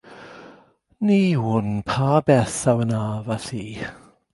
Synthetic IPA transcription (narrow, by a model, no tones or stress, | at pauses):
niwʊnpʰabɛθawənaːvaɬiː